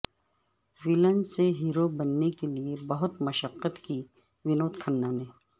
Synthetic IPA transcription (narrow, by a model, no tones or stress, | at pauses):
ʋɪlə̃nseɦiːɾobɐnːekeliebɐɦʊt̪mɐʃəqːət̪ki | ʋɪnoːt̪kʰənːaːneː